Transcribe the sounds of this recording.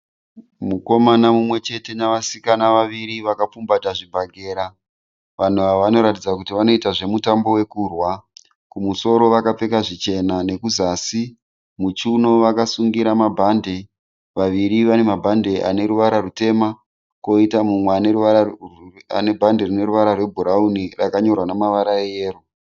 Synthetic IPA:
muko̞manamumwe̞t͡ʃe̞te̞naʋasikanaʋaʋiɾiʋakap͡fumbataʐibʱaɡʱe̞ːɾa | ʋan̤uʋaʋano̞ɾatid͡zakutiʋano̞itaʐe̞mutambo̞we̞kuːrwa | kumuso̞ɾo̞ʋakap͡fe̞kaʐit͡ʃe̞nane̞kuzaːsi | mut͡ʃuno̞ʋakasuŋɡiɾamabʱande | ʋaʋiɾiʋane̞mabʱande̞ʔa̰ne̞ɾuʋaɾarute̞ma | ko̞itamumweaneɾua | a̰ne̞bʱanderine̞ɾuʋaɾarwe̞bʱuɾaunirakaɲo̞rwanamaʋaɾaejeːru

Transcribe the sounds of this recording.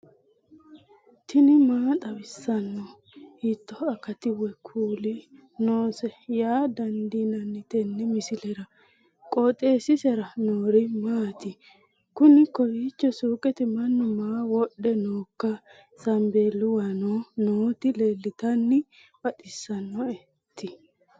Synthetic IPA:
t̪ʰɪnɪmaːt̪ʼɐwɪsːɐnːɔ | hit̪ːɔɐkɐt̪ɪwɛkʰuːlɪ | noːsɛjaːd̪ɐnd̪inɐnːɪt̪ɛnːɛmɪsɪlɛɾɐ | kʼɔt̪ʼeːsɪsɛɾɐnoːɾɪmaːt̪ɪ | kʊnɪkɔjiːt͡ʃːɔsuːkʼɛt̪ɛmɐnːʊmaːwɔɗːɛnoːkːɐ | sɐmbe̞ːlːʊwɐnonoːt̪ɪle̞ːlːɪt̪ɐnːɪ | b̥ɐᶑɪsːɐnːɔɛ | t̪ːɪ

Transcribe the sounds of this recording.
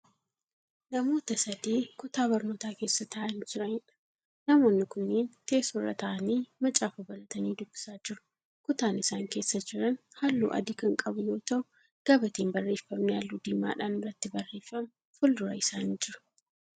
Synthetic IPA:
nɐmo̞ːt̪ɐsɐd̪iːkʊt̪aːbɐɾmɔt̪aːke̞ːsːɐt̪ʰɐʔɐnd͡ʒɪɾɐɲɪᶑɐ̥ | nɐmo̞ːnːɪkʊnːeːnt̪e̞ːsɔrːɐ̰t̪ɐʔɐniːmɐt͡ʃʼaːfʊbɐlɐt̪ɐniːd̪ʊbːɪ̥saːd͡ʒɪɾʊ̥ | kʊt̪aːnɪsaːŋke̞ːsːɐd͡ʒɪɾɐnhalːṵːʔɐ̰d̪ɪkɐŋkʼɐbʊjo̞ːt̪ɐʊ | ɡ̥ɐbɐt̪iːmbɐrːe̞ːfːɐmnɪjaːlːud̪ɪmːa̰ːᶑaːnɪrːɐt̪ːɪbɐrːe̞ːfːɐm | fʊld̪ʊɾɐɪsaːnɪnd͡ʒɪɾʊ̥

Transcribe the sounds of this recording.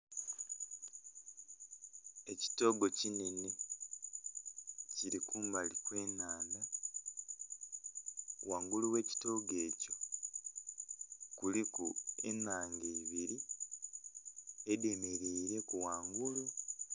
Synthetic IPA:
e̞ci̥to̞ɡo̞cinene | ciɾikuːmbalikwe̞ːnaːnda | waːŋɡuluwe̞ːci̥to̞ːɡe̞ːco̞ | kulikṵḛnaːŋɡeiβiɾi | edeme̞ɾeiɾe̞kuwaːŋɡulu

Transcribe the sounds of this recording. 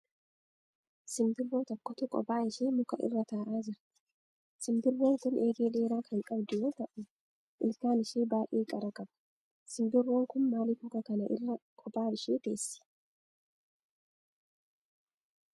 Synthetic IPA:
sɪmd̪ɪɾːoːt̪ɔkːɔt̪ʊkʼɔ̰baːɪʃeːmʊkɐʔɪ̰rːɐt̪aːʔaːd͡ʒɪɾt̪ɪ̥ | sɪmd̪ɪɾːoːŋkʊnʔeːɡeːd̪e̞ːɾaːkɐŋkʼɐbd̪ɪwɔːt̪ɐʔʊ | ʔɪlkaːnɪʃeːbaːʔeːkʼɐɾɐkʼɐbɐ̥ | sɪmd̪ɪrːoːŋkʊnmaːlɪkʊkɐkɐnɐʔɪ̰rːɐkʼɔbaːɪʃeːt̪e̞ːsːɪ̥

